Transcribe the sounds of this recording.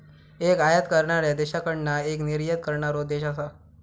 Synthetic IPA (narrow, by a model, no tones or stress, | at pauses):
ekajət̪kəɾɳaɾed̪eɕakəɳnaekniɾjət̪̚kəɾɳaɾod̪eɕas̬a